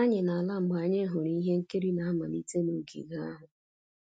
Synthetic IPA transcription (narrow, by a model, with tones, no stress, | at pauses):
a˦ɲɪ˨na˨a˨la˦ŋ͡m̩˨ɡ͡ba˨ɲɪ˦ɦʊ˨ɾi˦ɦe˦ŋ̩˦ke˦ɾi˦na˨a˦ma˨nḭ˦te˦nu˨kḭ˨ɡa˦a˦ɦʊ˨